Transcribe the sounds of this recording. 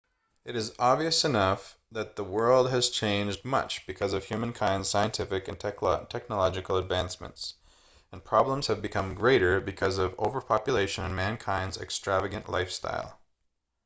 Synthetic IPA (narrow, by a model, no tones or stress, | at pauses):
ɨɾɨzɑbviɨsɨnʌf | ðɨt̪̚ðəwɜ˞lˠd̚ɨz̥t͡ʃʰẽɪ̃nd͡ʒd̚mʌ̰t͡ʃb̥ɨkʰʌzʌv̥jʉm̃nkʰãɪ̃ndz̥saɪɨ̃ntʰɪfɨkɨ̃ntʰɛktʰɛk̚nəlɑd͡ʒɨkl̩ˠədvæ̃nsmɨ̰̃nts | ɨ̃npʰɹ̥ɑblə̃mz̥ɨvbɨkʰʌ̃mɡɹeɪɾə˞bɨkʰʌzʌvo̰ʊvə˞pʰɑpjɨleɪʃɨ̃nɨ̃nmæ̃nkʰãɪ̃ndzɨ̰kstɹ̥ævɨɡɨ̃nʔla̰ɪfsta̰ɪlˠ